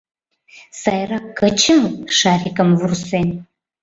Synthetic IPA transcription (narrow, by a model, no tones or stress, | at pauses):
sajrakɐt͡ʃʰɨmʂaːrikʼəmvursen